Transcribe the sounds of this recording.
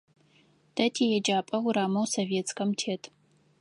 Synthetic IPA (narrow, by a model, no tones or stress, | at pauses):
d̥ɐtʰeːjɛd͡ʒaːpʼɐwʊɾaːmɐwsoveːt͡skʰɐmtʰeːtʰ